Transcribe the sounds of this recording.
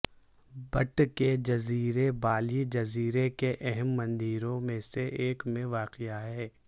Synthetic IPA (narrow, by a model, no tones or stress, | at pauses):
bɐʈked͡ʒɐziːɾebaːlid͡ʒɐziːɾekeʔɛɦɛmːɐ̃nd̪iːɾõmẽseʔeːkmẽʋaːqɪjaɦɛː